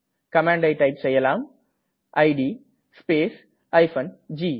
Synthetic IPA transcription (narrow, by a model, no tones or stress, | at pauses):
kɐmãːɳɖɐɪʈɐɪpsɛjːɐlaːm | ʔɐɪɖiː | speːs | ɐɪfɐnd͡ʒiː